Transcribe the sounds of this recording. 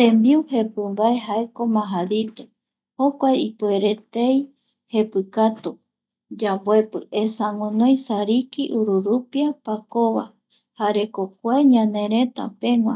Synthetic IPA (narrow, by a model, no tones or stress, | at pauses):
t̪ẽmbiuhe̞pɨmbaeɦae̞ko̞mãɦadit̪e̥ | hokʷajipueɾe̞t̪ej | he̞pɨkat̪u | d͡ʒambwʷoe̞pɨesaŋõnõj̃saɾikiʔuɾuɾupiapakoβa̰ | haɾe̞kok̚ʷeɲãnẽɾẽt̪a̰pẽ̞ŋʷã̰